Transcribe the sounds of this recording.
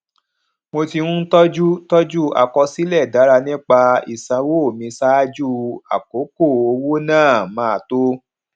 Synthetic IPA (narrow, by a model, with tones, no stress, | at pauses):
mo˧ti˧nũ˦n̩˦tɔ˦d͡ʒu˦tɔ˦d͡ʒu˦a̰˨kɔ˧si˦lɛ˦˨da˨˦ɾa˧nĩ˦k͡pa˧ḭ˨sã˧˦wo˦o˦˨mĩ˧sa˦d͡ʒu˦a̰˨ko˨˦ko˦˨o˧wo˦nãː˦˨mãː˨˦a˨to˦